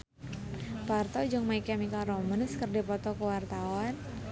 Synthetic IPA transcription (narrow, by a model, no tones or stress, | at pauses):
part̪ɔd͡ʒʊŋmaikɛmikalrɔmənskərdipɔt̪ɔkəwart̪awan